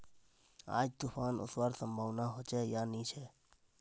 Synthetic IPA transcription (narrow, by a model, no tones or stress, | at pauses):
a̰ːd͡ʒt̪ufʰaːnʊ̰swaɾsəmbʱaʋnaɦɔt͡ʃɛjanit͡ʃʰe